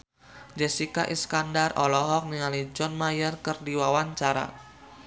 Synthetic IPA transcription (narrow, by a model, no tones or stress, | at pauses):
d͡ʒɛsikaʔiskandarɔlɔɦɔk̚niŋalid͡ʒɔnmajərkərdiwawaɲt͡ʃaɾa̰